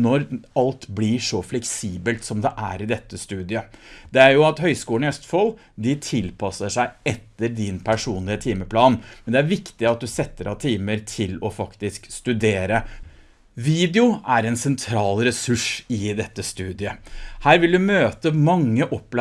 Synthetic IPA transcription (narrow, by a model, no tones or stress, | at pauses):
nɔɾɑlt̪blɪʂɔflɛksiːbəlt̪sɔmd̪ɛʔæ̰ɾɪd̪ɛt̪ːəst̪ʉːd̪ɪəd̪̥ɛæɾjʊɑt̪hœʏskuːənɪœst̪fɔl | d̪ɪt̪ʰɪlpʰɑsəʂæɪɛt̪ːəɾd̪ɪnpʰæʂuːnlɪət̪ʰiːməpʰlɑːnmɛnd̪ɛæɾʋɪkt̪ɪɑt̪̚d̪ʉsɛt̪ːəɾɑt̪ʰiːməɾt̪ʰɪlɔfɑkt̪ɪskst̪ʉd̪eːɾə | ʋiːd̪ɛʊæɾɛnsɛnt̪ʰɾɑːlɾɛsʉʂɪd̪ɛt̪ːəst̪ʉːd̪ɪəhæːɾʋɪld̪ʉmøːt̪əmɑŋːəʔɔpːl